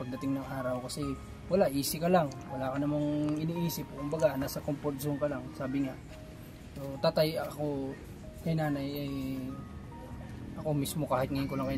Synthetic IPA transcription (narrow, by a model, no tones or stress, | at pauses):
pɐɡ̚d̪ɐt̪ɪŋnɐŋʔaːɾɐwkɐsɛ | wɐlaʔiːsɪkɐlaŋwɐlaːkɐnɐmaŋɪniʔiːsɪp̚kʊmbɐɡanaːsɐkomposʊŋkɐlaŋsaːbɪŋaʔ | sot̪aːt̪ajɐɐko̞ | kɐjnaːnajɐj | ʔɐko̞mismo̞kaːhɪt̪ŋɐjɪnkolɐŋkɐj